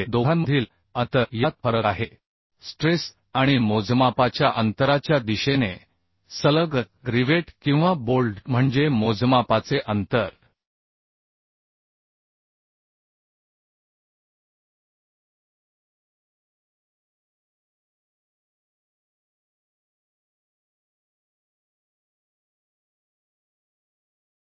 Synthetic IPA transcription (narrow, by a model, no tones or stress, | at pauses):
d̪oanməd̪ʱiːl | ət̪əjat̪̚fəɾəaɦe | sʈɾes | aɽ̃imod͡zmapat͡ɕjaʔənt̪əɾat͡ɕjad̪iɕene | sələɡ̪ | ɾiʋeʈkĩw̃ʋabolɖm̤əɳd͡ʑemod͡zmapat͡seʔənt̪əɾ